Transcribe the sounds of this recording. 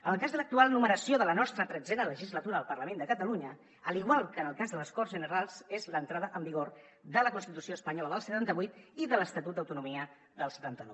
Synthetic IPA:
ənəlˠkazðələk̚t̪ualˠnuməɾəsioðələnɔst̪ɾət̪ɾəd͡zɛnələʒizlət̪uɾəəlˠpərləmẽnd̪əkət̪əluɲə | əliɣ̞walˠkəːnəlˠkazðələskɔrzʒənəɾalˠsezlənt̪ɾaðəʔəmbiɣoɾ | d̪ələkunst̪it̪usioəspəɲɔləðəlˠsət̪ant̪əβujt̪iðələst̪ət̪ut̪̚d̪əwt̪unumiə | ðəlˠsə̥t̪ant̪ənɔ̰w

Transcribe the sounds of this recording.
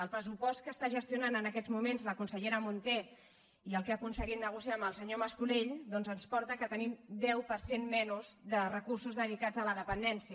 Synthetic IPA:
əlˠpɾəsupɔst̪̚kəst̪aʒəst̪iunanənəkɛd͡zmumenzləkunsəʎeɾəmunt̪e | iəlˠkakunsəɣit̪nəɣ̞usiaməlˠsəɲoməskuleʎd̪ɔnzənspɔɾt̪əkət̪ənimd̪ɛwpəɾsenmɛnuzðərəkursuzðəð̞ikad͡zələðəpənd̪ɛnsiə

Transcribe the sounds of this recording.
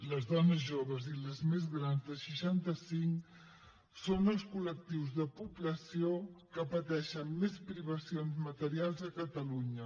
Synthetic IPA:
ləzðɔnəzʒoβəziləzmezɣɾanzðəʃəʃant̪əsiŋ | sonəlˠskulək̚t̪iwzðəpubləsiokəpət̪ɛʃəmmespɾiβəsionzmət̪əɾialˠzəkət̪əluɲə

